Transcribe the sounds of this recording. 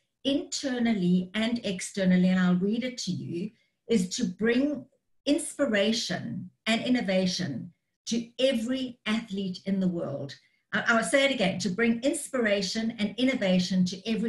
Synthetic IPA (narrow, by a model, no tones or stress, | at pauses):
ɪ̃ntʰɜːnəl̩ˠiɨ̃nɛkstɜ˞nəl̩ˠiɨ̃naɪlˠɹiɾɨtʰɨjʉ̰ | ɪz̥tʰɨbɹɪ̃ŋ | ɪ̃nspə˞eɪʃə̰̃nɨ̃nɪ̃ñɨveɪʃɨ̰̃n | tʰɨɛvɹiæθliɾɨ̃nðəwɜ̰˞lˠd | ʔaʔaɪwseɪɨɾɨɡɛ̃ntʰɨbɹɪ̃ŋɪ̃nspə˞eɪʃə̃nɨ̃nɪ̃ñɨveɪʃɨ̃ntʰɨʔɛvɹi